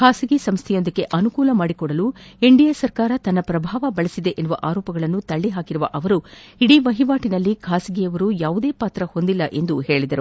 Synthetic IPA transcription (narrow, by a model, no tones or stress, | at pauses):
kʰaːsiɡisɐmst̪ʰɛjo̞nd̪ɐkːe̞ʔɐnukuːlɐmaːɽikɔɽɐlueɳɖijɐsɐɾkaːɾɐt̪ɐnːɐpɾɐbʱaːʋɐbɐɭisid̪e̞ʔenːuʋɐʔaːɾɔːpɐɡɐɭɐnːut̪ɐɭːiɦaːkiɾuʋɐʔɐʋɐɾuiɽiʋɐɦiʋaːʈinɐlːikʰaːsiɡijɐʋɐɾujaːʋud̪e̞ːpaːt̪ɾɐho̞nd̪ilːɐʔe̞nd̪uhe̞ːɭid̪ɐɾu